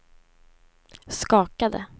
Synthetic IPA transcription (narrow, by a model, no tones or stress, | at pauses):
skɑːkad̪ə̰